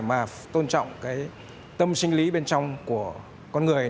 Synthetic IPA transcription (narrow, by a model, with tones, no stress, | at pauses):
maː˨˩ | t̪o˧nt͡ɕɔ̰˧˨wŋ͡mkaː˨˦j | t̪ə˧msï˧ŋ̟li˨˦ɓe˧nt͡ɕɔ˧wŋ͡mku˧˩ə | kɔ˧nŋɨ˨˩əj